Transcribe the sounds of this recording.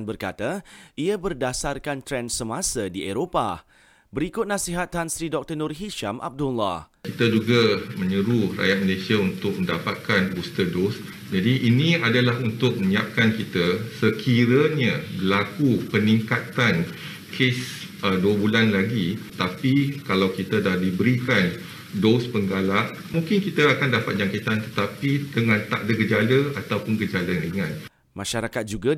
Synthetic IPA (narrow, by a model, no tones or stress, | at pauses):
nbərka̰t̪aiabərdasarkant̪ɾɛnsəmasadieɾopa̰ | bəɾikʊt̪̚nãsiɦat̪hansɾidɔk̚t̪ənɔrɦiʃamʔa̰b̚dula̰h | kit̪ad͡ʒuɡamə̃ɲəɾuhra̰jat̪̚məlesiaunt̪ʊk̚mə̃ndapat̪̚kanust̪ədos | d͡ʒadiʔːnĩadalaɦunt̪ʊk̚mə̃ɲiap̚kankit̪asəkʰiɾəɲabəlakupəniŋkat̪an | kʰes | əduəbulanlaɡiət̪apikalawkit̪adahdibəɾikan | dospəŋɡalaʔ | mũŋkɪnkit̪aakandapat̪̚d͡ʒaŋkit̪ant̪ət̪apidəŋãnt̪a̰ʔdəkəd͡ʒaləat̪awpʊnkəd͡ʒaləɾiŋãn | maʃaɾakat̪̚d͡ʒuɡa